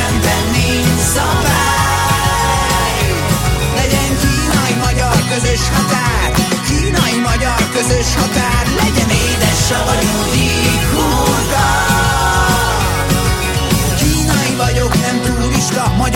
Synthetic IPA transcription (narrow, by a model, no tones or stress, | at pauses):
ɛnt̪ɛnːi | sɒva | j | lɛɟɛŋkiːnɒimɒɟɒrkø̞zø̞ʃhɒt̪aːrkiːnɒjimɒɟɒrkø̞zø̞ʃhɒt̪aːrlɛɟɛneːd̪ɛʃːɛvɒɟod̪i | huːt̪ɒ | kiːnɒivɒɟo̞knɛmt̪uːluliʃt̪ɒmɒɟ